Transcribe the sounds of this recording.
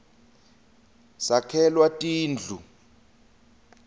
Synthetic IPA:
sakʰɛlwatʼiːnd͡ɮʱu

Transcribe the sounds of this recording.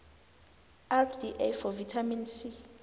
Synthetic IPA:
ɛldiʔafɔvitʰaminsi

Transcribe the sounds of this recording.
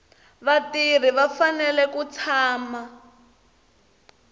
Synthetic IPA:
βatir̤iβafanɛlɛkut͡sʰaːma

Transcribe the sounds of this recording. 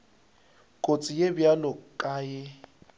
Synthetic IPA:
kʼot͡sʼijebjalɔkʼaːjɪ

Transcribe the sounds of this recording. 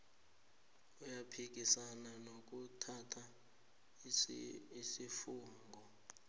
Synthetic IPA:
ujapʰik̬ʼisananok̬utʰatʰa | isifuːŋɡʱɔ

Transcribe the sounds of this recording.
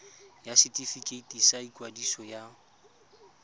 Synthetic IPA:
jasitʼifikʼetʼisaikʼwadisɔja

